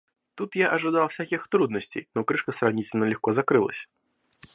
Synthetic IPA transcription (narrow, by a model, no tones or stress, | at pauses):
t̪ut̪jaʔɐʐɨd̪alˠfsʲakʲixt̪ɾud̪nəsʲt͡sʲḛjnɔkɾɨʂkəsɾawnʲit͡sʲnəlʲɪxkɔzakɾɨlˠə̰sʲ